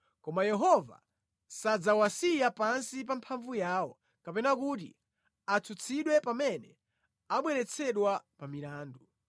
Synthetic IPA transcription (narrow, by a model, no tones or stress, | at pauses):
kɔmajɛɦɔva̰ | sad͡zawasijapansip̬ampʰaɱvujaːwɔ | kapɛnakut̬ḭ | at͡sʰut͡sʰiɗwɛpamɛnɛ | aɓwɛɾɛt͡sʰɛɗwapamilaːndu